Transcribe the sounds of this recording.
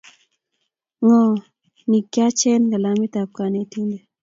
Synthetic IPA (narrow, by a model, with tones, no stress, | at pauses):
ŋɔ˨ | ni˨kːja˦t͡ʃɛ˦nɡa˨la˨mi˦t̪a˨p̚ka˨ne˨ti˦nɡe˨